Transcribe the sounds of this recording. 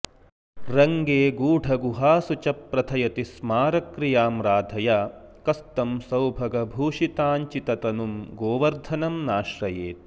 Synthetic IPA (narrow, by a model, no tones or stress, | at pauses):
ɾɐŋɡeːɡuːɖʰʱɐɡuɦaːsut͡ʃɐpːɾɐt̪ʰɐjɐt̪ismaːɾɐkɾijaːmɾaːd̪ʱɐjaːkɐst̪ɐmsɐwbʱɐɡɐbʱuːʂit̪aːɲt͡ʃit̪ɐt̪ɐnumɡoːʋɐɾd̪ʱɐnɐmnaːʃɾɐjeːt̪̚